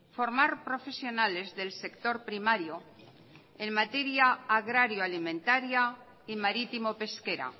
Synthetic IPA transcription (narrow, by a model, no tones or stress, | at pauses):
fo̞ɾmaɾpɾo̞fe̞sjo̞nale̞zðe̞lse̞kt̪o̞ɾpɾimaɾjo | enmat̪e̞ɾjaːɣɾaɾjoalimẽ̞nt̪aɾja | imaɾit̪imo̞pe̞ske̞ɾa̰